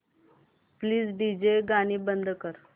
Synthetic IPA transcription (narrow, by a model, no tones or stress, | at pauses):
pliːd͡zɖid͡ʑeɡaɽ̃iːbənd̪ʱkəɾ